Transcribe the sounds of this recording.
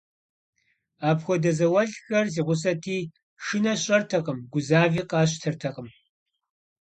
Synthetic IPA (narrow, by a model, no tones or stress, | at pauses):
aːpxʷɔdɐzɐwɐɮxɐrziːʁʷʊs̬ɐtʰiː | ʂɨnɐɕʼɐrtʰɐqəmɡʷʊzaːviːqɑːɕ̬tʰɐrtʰɐqəm